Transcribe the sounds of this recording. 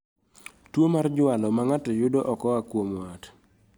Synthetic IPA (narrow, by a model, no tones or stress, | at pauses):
twomard͡ʒʊalɔmaŋatɔjʊdoʔɔkɔakwomwat